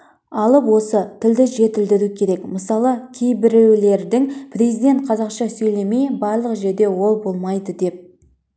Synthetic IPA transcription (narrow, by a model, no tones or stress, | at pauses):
ɑlˠəpwo̞sət̪ʰɪld̪ɪʒe̞t̪ɪld̪ɪɾukʲʰe̞ɾe̞kməsɑlˠəkʲʰejbɪɾe̞wle̞ɾd̪ɪŋpʰɾʲe̞zijd̪ʲe̞nt̪̚qʰɑzɑqʃɑsɵjle̞me̞jbɑɾlˠəqʒe̞ɾd̪e̞wo̞lˠbo̞lˠmɑjd̪əd̪e̞p̚